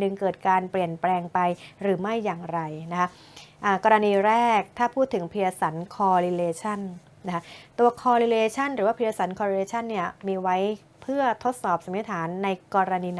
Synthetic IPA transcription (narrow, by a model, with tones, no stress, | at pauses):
nɯ˨˩ŋkɤː˨˩t̪̚kaː˧npli˨˩ənplɛː˧ŋpa˧jɾɯː˩˦ma˥˩jːaː˨˩ŋɾa˧jna˦˥kʰa˦˥ | ʔaː˨˩kɔː˧ɾa˧niː˧ɾɛː˥˩k̚t̪ʰaː˥˩pʰuː˥˩t̪ʰːɯ˩˦ŋpʰi˧ɾa˧sa˩˦nkʰɔː˧ɾi˧leː˧t͡ɕʰa˥˩n | na˥kʰa˦˥t̪uː˧ɐkʰɔː˧ɾiː˧leː˧t͡ɕʰa˥˩nɾɯː˩˦waː˥˩pʰi˧a˧sa˩˦nkʰɔː˧ɾi˧leː˧t͡ɕʰa˥˩nːi˥˩ɐmiː˧wa˦˥j | pʰɯ˥˩ɐt̪ʰo˦˥t̪̚sɔː˨˩p̚sa˩˦mni˦˥t̪ʰaː˩˦nːa˧jkɔː˧ɾa˧niː˧n